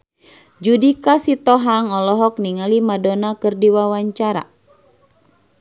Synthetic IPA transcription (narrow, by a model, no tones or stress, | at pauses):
d͡ʒudikasit̪ɔɦaŋɔlɔɦɔk̚niŋalimadɔnakɨrdiwawaɲt͡ʃaɾa̰